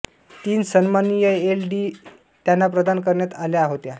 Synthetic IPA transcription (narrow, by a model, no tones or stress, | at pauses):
t̪iːnsənmanijəelɖiː | t̪janːapɾəd̪ankəɾɳjat̪aljaɦot̪ja